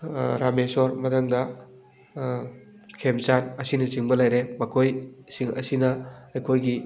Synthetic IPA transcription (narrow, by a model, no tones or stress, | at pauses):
ɾamesoɾmɐtʰɐŋdɐ | kʰemt͡ʃanɐsinɐt͡ʃiŋbɐlajɾemɐkʰojsiŋɐ̰sinɐɐjkʰojɡi